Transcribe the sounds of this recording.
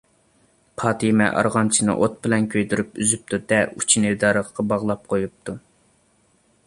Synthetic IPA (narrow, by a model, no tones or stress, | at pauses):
pʰɑːt̪ʰimɛ̰ʔɑ̰ɾʁɑnt͡ʃʰinɨ̰ʔot̪̚bɪlɛnkʲʰøjd̪yɾypyzyp̚t̪ʰud̪̥ɛut͡ʃʰinɨd̪ɑːɾəqʰqɑbɑʁlˠɑp̚qʰojup̚t̪ʰu